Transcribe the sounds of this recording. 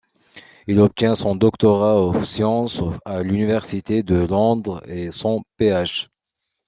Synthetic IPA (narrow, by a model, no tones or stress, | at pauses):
ilɔp̚t̪jɛ̃sɔ̃d̪ɔkt̪ɔʁaɔsjɑ̃salynivɛʁsit̪ed̪əlɔ̃d̪ʁesɔ̃peaʃ